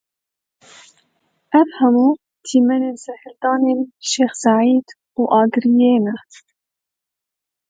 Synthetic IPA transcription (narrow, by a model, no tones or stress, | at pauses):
ʔafhamu | t̪ʰiːmæneːnsaħɪld̪ɑːneːnʃeːxsaʕiːd̪ | uʔɑːɡɾijeːna